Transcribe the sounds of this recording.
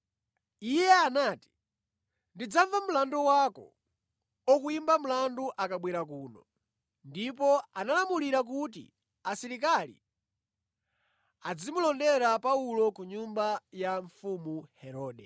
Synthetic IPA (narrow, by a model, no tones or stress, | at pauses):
ijɛanaːti̥ | ndid͡zaɱvamulandɔwakɔ̰ | ɔkuimbam̩landuʔakaɓwiɾak̬uːnɔ | ndipɔanalamuliɾak̬ut̬ḭ | asiɾik̬alḭ | ad͡zimulɔndɛɾapaulɔkuɲumbajaɱfumuhɛɾɔːɗɛ